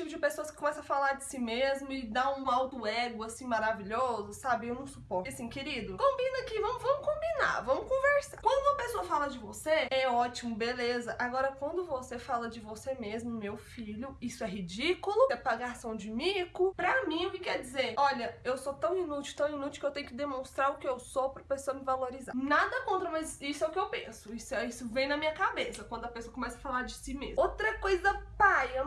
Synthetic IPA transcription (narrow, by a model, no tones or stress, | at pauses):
t͡ʃipʊd͡ʒɪpesoɐskɪ̥kõmɛsɐ̃ɐfalaɾd͡ʒɪsimezmʊɪd̪aũawt̪ʊɛɡʊasĩmaɾaviʎɔzʊsabɪewnɐ̃w̃supɔɾasĩkeɾid̪ʊkõbĩnakivɐ̃mʊvɐ̃mʊkõbina̰ɾvɐ̃mʊkõveɾsakwɐ̃nd̪ʊumɐpesoɐfalɐd͡ʒɪvoseɛɔt͡ʃimʊbelezɐʔaɡɔɾɐkwɐ̃nd̪ʊvosefalɐd͡ʒɪvosemezmʊmewfiʎʊisʊɛɦid͡ʒikulʊsepaɡasɐ̃w̃d͡ʒɪmikʊpɾɐmĩʊkɪkɛɾd͡ʒɪzeɾɔʎɐewsot̪ɐ̃w̃inut͡ʃwt̪ɐ̃w̃inut͡ʃiwkɪewt̪ẽjʊkɪd̪emõst̪ɾaɾʊkɪewsopɾɐpesoɐmɪvaloɾiza̰nad̪ɐkõnt̪ɾɐmɐzisʊɛʊkɪewpḛ̃sʊisʊɛisʊvẽj̃nɐmĩɲɐkabesɐkwɐ̃nd̪ʊɐpesoɐkõmɛsɐfalaɾd͡ʒɪsimezot̪ɾɐkojzzɐpajɐ